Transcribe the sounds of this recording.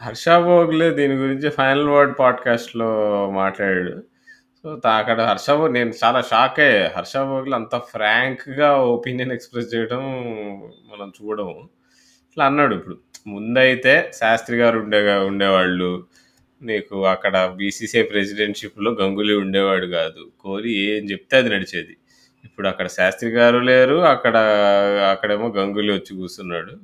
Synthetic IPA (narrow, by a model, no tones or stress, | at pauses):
ɦɐɾʂaːboːɡled̪iːniɡuɾiɲt͡ʃipʰɐjnɐlʋɐɾɖpaːɖkaːsʈlo̞ːmaːʈlaːɾaːɽṵ | soːt̪ɐkːɐɽɐɦɐɾʂaːbɐne̞ːnut͡ʃaːlaːʃaːkeɦɐɾʂaːboːɡlɐnt̪ɐpʰɾaːŋkɡaːopinjɐnekspɾest͡ʃɛːjɐɽɐm | mɐnɐmt͡ʃuːɽɐm | ʈlaɐnːaːɽuipːuɽumund̪ɐjit̪e̞ːsaːst̪ɾiɡaːɾuɳɖɛːuɳɖɛːʋaːɭːu | neːkuɐkːɐɽɐbiːsiːseːpɾesiɖeɳʈʂiplo̞ːɡɐŋɡuliuɳɖɛːʋaːɽuɡaːd̪ukoːɾieːmt͡ʃep̚t̪aːɐd̪inɐɽit͡ʃeːd̪i | ipːuɽuɐkːɐɽɐʃaːst̪ɾiɡaːɾuleːɾuɐkːɐɽɐɐkːɐɽeːmoːɡɐŋɡuliʋɐt͡ʃːikuːst̪unːaːɽu